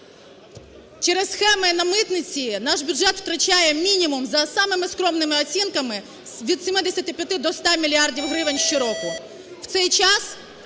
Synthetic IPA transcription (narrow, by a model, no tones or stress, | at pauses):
t͡ʃɛɾɛsxɛmɪnɐmɪt̪nʲɪt͡sʲinaʂbʲʊdʐɛt̪ft̪ɾɐt͡ʃajɛmʲinʲimʊmzɐsamɨmɪskɾoɔmnɪmɪɐsʲinkɐmɪ | ʋʲit̪sʲɪmɪd̪esʲɐt̪ʲɪpʲɐt̪ɪd̪ɔst̪amʲilʲɪardʲiwɦɾɪʋenʲʃʃɪɾokʊ | wt̪sɛjt͡ʃas